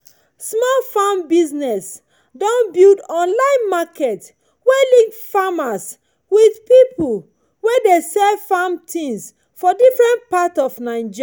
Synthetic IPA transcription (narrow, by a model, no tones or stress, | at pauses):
smɔlfambiznɛs | dɔ̃nbildɔ̃nlãɪ̃nmakʰɛt | wɛliɡfamas | wiðpipul | wɛdesɛfãmtĩŋs | fɔdifɹɛ̃ntpatɔfnaɪd͡ʒi